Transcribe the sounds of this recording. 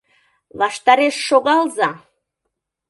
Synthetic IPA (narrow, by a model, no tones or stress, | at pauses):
lˠɑʃt̪ɑɾeʃːoɣɑlˠzɑ